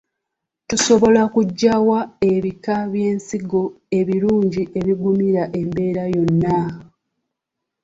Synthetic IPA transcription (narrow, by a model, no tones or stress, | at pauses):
tuso̞βo̞lakuɟːawae̞βikaβje̞ːnsiɡo̞ | e̞βiɾuːɲɟiʔe̞βiɡumiɾaʔe̞mbe̞ːɾajo̞nːa